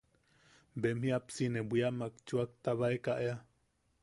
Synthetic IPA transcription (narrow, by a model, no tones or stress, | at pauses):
bemhiapsinebʷiaʔmakt͡ʃuak̚t̪aβaekaʔea